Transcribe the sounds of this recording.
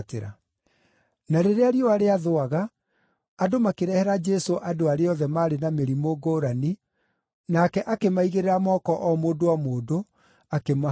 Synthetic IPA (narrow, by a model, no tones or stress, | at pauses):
teɾa̰ | naɾeɾeaɾjɔaɾeaðoaɣaː | domakeɾɛhɛɾad͡ʒɛsoʔadoaɾeɔðɛmaːɾenameɾimoɡoɾani | nakɛʔakemaiɣeɾeɾamɔkɔʔɔmoːdowamoːdo | akema